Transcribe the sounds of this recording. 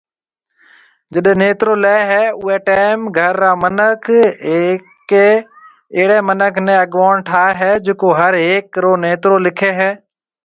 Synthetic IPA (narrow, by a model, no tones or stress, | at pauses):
d͡ʒəɗneːt̪ɾoːlaeɦɛːʊeːʈeːɪmɡʱəɾːaːmənəkʰeːk | eː | eːɽeːmənəkʰnẽːəɠʋaːɳʈʰaːeɦɛːd͡ʒeːkoːɦəɾeːkːɾoːneːt̪ɾoːlɪkʰeːɦɛː